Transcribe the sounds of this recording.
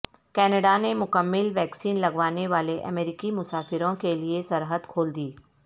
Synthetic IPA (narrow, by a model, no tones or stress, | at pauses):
kɛːnəɖanemʊkəmːɪlʋɛːksiːnlɐɡʋaːneʋaːleʔɐ̰meːɾɪkimʊsaːfɪɾõkeliesɐɾɦəd̪kʰoːld̪iː